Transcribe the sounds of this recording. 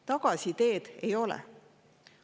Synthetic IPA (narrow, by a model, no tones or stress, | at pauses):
t̪ɑɡ̥ɑsʲit̪e̞ːd̪̥e̞̰jo̞lɛ̰